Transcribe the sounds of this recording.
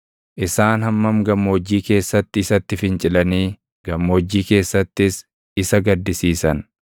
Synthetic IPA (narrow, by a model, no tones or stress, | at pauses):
ʔɪsaːnhɐmːɐmɡɐmːoːd͡ʒːiːke̞ːsːɐt̪ːɪːsɐt̪ːɪfɪnt͡ʃʼɪlɐniː | ɡ̥ɐmːoːd͡ʒːiːke̞ːsːɐt̪ːɪs | ɪsɐɡɐd̪ːɪsiːsɐn